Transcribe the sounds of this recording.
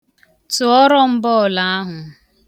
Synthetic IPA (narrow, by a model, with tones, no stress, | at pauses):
tʊ˨ɔ˦ɾɔ˦m̩˦bɔ˦˨la˨a˦ɦʊ˨